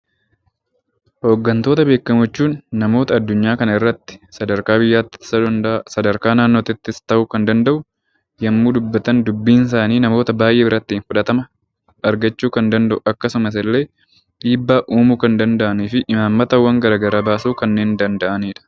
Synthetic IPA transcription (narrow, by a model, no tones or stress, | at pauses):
ho̞ːɡːɐnt̪o̞ːt̪ɐbe̞ːkːɐmʊt͡ʃːuːnːɐmo̞ːt̪ɐːd̪ːʊɲːaːkɐnɐɪrːɐt̪ːɪ̥sɐd̪ɐɾkaːbɪjːaːt̪ːɪ̥sɐsɐd̪ɐɾkaːnaːnːoːt̪ɪt̪ːɪst̪ɐʔʊkɐnd̪ɐnd̪ɐʔʊ | jɐmːuːd̪ʊbːɐt̪ɐnd̪ʊbːiːns̬aːniːnɐmo̞ːt̪ɐbaːjʔeːbɪɾɐt̪ːɪːnfʊᶑɐt̪ɐmɐ | ɐɾɡɐt͡ʃːuːkɐnd̪ɐnd̪ɐʔʊʔɐkːɐsʊmɐs̬ɛlːe̞ː | ᶑiːbːaːʔuːmuːkɐnd̪ɐnd̪ɐʔɐniːfɪʔɪmaːmːɐt̪ɐwːɐŋɡɐɾaːɡɐɾaːbaːsuːkɐnːe̞ːnd̪ɐnd̪ɐʔɐniːᶑɐ̥